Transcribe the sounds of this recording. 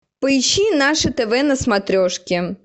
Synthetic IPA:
pəiɕːinaʂɨt̪ɛvɛnɐsmat̪ɾʲɔʂkʲɪ

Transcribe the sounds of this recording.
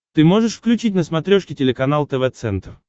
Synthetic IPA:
t̪ɨmoʐɨʂfklʲʉt͡ɕitʲnəsmɐt̪ɾʲoʂkʲɪtʲɪlʲɪkɐnalˠt̪ɛvɛt̪sɛ̰nt̪r

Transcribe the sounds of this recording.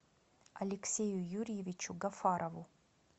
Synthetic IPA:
ɐlʲeksʲejujuɾijevʲit͡ʃʰuɡɐfaɾʔɐvu

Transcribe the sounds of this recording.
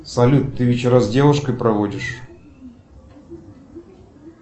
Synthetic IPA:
sɐlʲut̪t̪ːɨvʲɪt͡ɕɪɾazdʲevʊʂkəjpɾɐvodʲɪʂ

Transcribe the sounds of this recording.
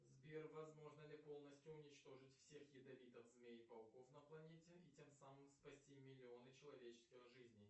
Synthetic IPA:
zbʲervɐzmo̞ʐnəlʲɪpo̞lˠnəsʲtʲjʊʊnʲɪt͡ɕt̪o̞ʐɨtʲfsʲe̞xjɪd̪ɐvʲit̪əfzmʲejɪpɐlˠko̞fnəplˠɐnʲetʲɪitʲemsamɨmspɐsʲtʲimʲɪlʲɪo̞nɨt͡ɕɪlˠɐvʲet͡ɕɪ̥skʲɪxʐɨzʲnʲɪj

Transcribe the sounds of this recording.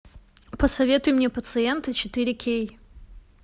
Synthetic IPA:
pəsɐvʲe̞t̪ʊjʊmnʲepət̪sɨɛnt̪ɨt͡ɕɪt̪ɨɾʲɪkʲʰej

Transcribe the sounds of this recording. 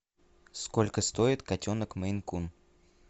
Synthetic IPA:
skolʲkəst̪oɪt̪katʲonəkməjnkun

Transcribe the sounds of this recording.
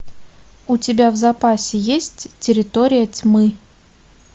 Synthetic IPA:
ʊtʲɪbʲavzɐpasʲɪjesʲtʲtʲːɪɾʲɪt̪oɾʲɪjətʲmɨ

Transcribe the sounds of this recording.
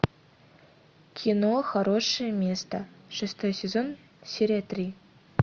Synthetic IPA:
kʲʰinoxɐɾoʂɨjəmʲest̪əʂɨst̪ojsʲezon | sʲeɾʲat̪rʲi

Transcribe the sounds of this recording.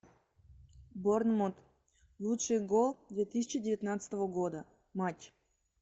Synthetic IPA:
boɾnmot̪ | lˠut̪ʃɨjɡolˠd̪vʲet̪isʲit͡ʃidʲɛvʲet̪nat̪sʲt̪ovoɡod̪a | matʲ

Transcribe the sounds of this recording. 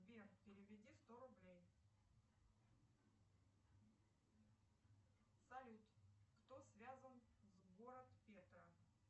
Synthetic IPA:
bʲenpʲɪɾʲɪvʲɪdʲist̪oɾʊblʲej | sɐlʲut̪kt̪osvʲazənzɡoɾət̪pʲet̪ɾə

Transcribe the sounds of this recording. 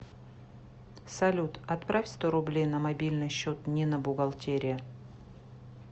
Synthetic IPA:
sɐlʲut̪ɐt̪pɾafʲst̪oɾʊblʲejnəmɐbʲilʲnɨjɕːot̪nʲɪnəbʊɡɐlˠtʲeɾʲɪjə

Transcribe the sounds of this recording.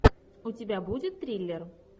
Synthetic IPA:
utʲebʲæbudʲɪt̪ːɾʲilʲːer

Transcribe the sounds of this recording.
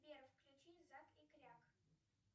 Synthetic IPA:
bʲerfklʲut͡ɕizakikrʲak

